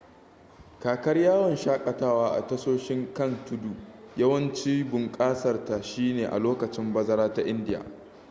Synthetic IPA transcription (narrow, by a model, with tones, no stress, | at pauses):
kaː˨kɐ˦rjaː˦wɐ˨nʃaː˦kʼɐ˨taː˦waː˦ʔa̰˨tɐ˦soː˦ʃɪ˦ŋkɐ˦˨ntʊ˦du˨jɐ˦wɐ˦nt͡ʃiː˦bʊ˨ŋkʼaː˦sɐ˨rta˨ʃiː˦neː˨ʔa̰˨loː˦kɐ˨t͡ʃɪ˦mbɐ˦zɐ˦ɾaː˦ta˦ʔɪ˦ndɪ˦ja̰ː˨